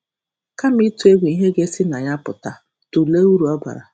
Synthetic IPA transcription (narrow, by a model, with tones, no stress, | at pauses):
ka˦m̩i˦tu˦e˦ɡʷe˨i˦ɦe˦ɡe˦sɪ˦na˨ɲa˦pʊ˨ta˨ | tu˨le˦u˦ɾu˨ɔ˦ba̰˨ɾa̰˨